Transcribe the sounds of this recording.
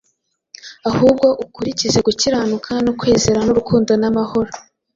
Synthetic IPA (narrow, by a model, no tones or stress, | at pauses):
ahuːb̚ɡo̞ʔukuɾicize̞ɡuciɾaːnukʰanokwe̞ːze̞ɾanuɾukʰuːndo̞namaho̞ɾo